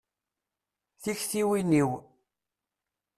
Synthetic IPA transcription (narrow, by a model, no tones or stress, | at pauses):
θiçθiwiniw